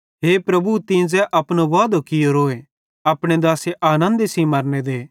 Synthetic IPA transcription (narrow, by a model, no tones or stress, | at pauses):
ɦeːpɾɐbut̪ĩːd͡zɛʔɐpɽ̃oʋaːd̪okɪjoɾoːe | ɐpɽ̃ed̪aːseʔaːnə̃nd̪simɐɾned̪eː